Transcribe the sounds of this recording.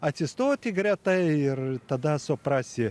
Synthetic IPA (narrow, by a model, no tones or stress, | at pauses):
ɐt̪ʲsʲɪst̪oːt̪ʲɪɡɾʲɛt̪ɐɪɪrt̪ɐd̪ɐsʊpɾɑsʲɪ